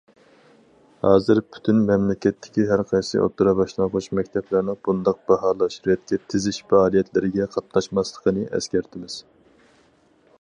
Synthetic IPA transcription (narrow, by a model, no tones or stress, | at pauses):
hɑːzɨɾpʰy̥t̪ʰynmɛmlɪkʲɛt̪ʰːɪ̥kʲiɦæɾqʰɑjsɨ̰ʔo̰t̪ːuɾɑbɑʃlˠɑnqʰot͡ʃmɛkʲt̪ʰɛplæɾnɨŋb̥und̪ɑq̚b̥ɑɦɑːlˠɑʃɾujɛt̪̚kʲʰɛt̪ʰɪzɪʃfɑɑːlˠijɛt̪ʰlɪɾɪɡʲɛqʰɑt̪nɑʃmɑslˠə̥qʰənɨʔɛ̰skʲæɾt̪ʰɪmɪz̥